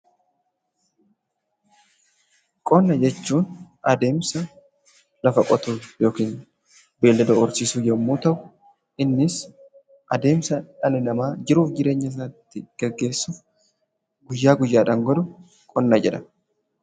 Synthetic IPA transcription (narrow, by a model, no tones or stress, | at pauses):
kʼɔnːɐd͡ʒɛt͡ʃːuːn | ɐd̪e̞ːmsɐ | lɐfɐkʼɔt̪uːjo̞ːkiːn | be̞ːlːɐd̪ɐɔɾsisuːjɛmːuːt̪ɐʔʊ | ʔɪnːɪs | ʔɐd̪e̞ːmsɐᶑɐnɪnɐmaːd͡ʒɪɾuːfd͡ʒɪɾe̞ːɲːɐs̬ɐt̪ːɪɡ̥ɛɡːe̞ːsːuːf | ɡʊjːaːɡʊjːaːᶑɐŋɡɔd̪ʊ | kʼɔnːɐd͡ʒɛᶑɐ